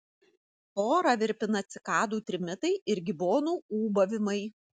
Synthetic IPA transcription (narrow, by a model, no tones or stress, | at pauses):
oːɾɐʋʲɪɾʲpʲɪnɐt̪sʲɪkɑːd̪uːt̪ʲɾʲɪmʲɪt̪ɐɪɪɾɡʲɪboːnuːuːbɐʋʲɪmɐɪ